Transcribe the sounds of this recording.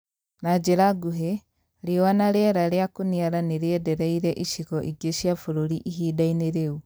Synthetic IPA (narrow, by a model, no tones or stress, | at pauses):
nad͡ʒeɾaɡuɦe | ɾewanaɾeɛɾaɾeakoniaɾaneɾeɛdɛɾɛiɾɛʔiʃiɣɔʔiɡeʃiafoɾoɾiʔiɦiːdaineɾeu